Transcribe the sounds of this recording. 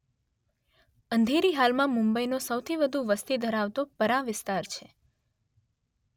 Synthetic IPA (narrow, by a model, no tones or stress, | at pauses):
ənd̪ʱeɾiɦalmãmʊ̃mbəinosəwt̪ʰiʋəd̪ʱũʋəst̪id̪ʱəɾaʋt̪opəɾãʋɪst̪aɾt͡ʃʰe